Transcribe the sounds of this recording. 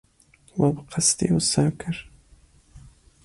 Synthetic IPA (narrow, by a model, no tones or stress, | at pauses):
wabqʰɑst̪ḭwʊsaːkɪɾ